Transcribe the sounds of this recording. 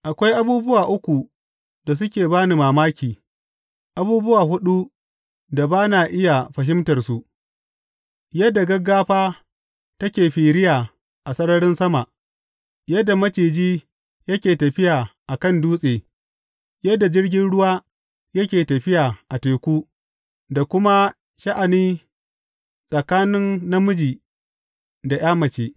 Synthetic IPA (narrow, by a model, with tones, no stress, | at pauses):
ʔa˨kʷa˦jʔa˦buː˦bʊ˦waː˨ʔʊ˦kʷu˨ | da˨s̬ʊ˦kʲeː˨baː˦ni˨maː˨maː˦kʲiː˨ | ʔa˨buː˦bʊ˦waː˨ɦʊ˦ɗu˦ | da˨baː˦naː˨ʔɪ˦ja˨ɸɐ˨ɦɪ˦mtɐ˨rsu˨ʔ | jɐ˦dːa˨ɡɐ˦ɡːaː˦ɸaː˦ | tɐ˦kʲeː˨ɸiː˨ɾɪ˦jaː˨ | ʔa˨sʼɐ˦ɽɐ˦ɽɪ˦nsɐ˦ma˨ʔ | jɐ˦dːa˨mɐ˦t͡ʃeː˨d͡ʒiː˦ | jɐ˦kʲeː˨tɐ˨ɸɪ˦jaː˨ʔa˨kɐ˦˨nduː˦sʼeː˨ | jɐ˦da˨d͡ʒɪ˦rɡʲɪ˦nɽʊ˦waː˦ | jɐ˦kʲeː˨tɐ˨ɸɪ˦jaː˨ʔa˨teː˨kʷuː˦ | da˨kʷʊ˦ma˦ | ʃɐ˦ʔa˨niː˦ | sʼɐ˨kaː˦nɪ˦nːɐ˦mʊ˦d͡ʒiː˨ | da˨j̰aː˦mɐ˨t͡ʃeː˦